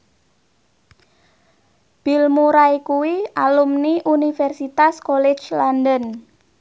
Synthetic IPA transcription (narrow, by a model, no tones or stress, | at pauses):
b̥ilmuɾaikuwiʔalumniʔunifɛrsit̪askolɛ̥t͡ʃlandən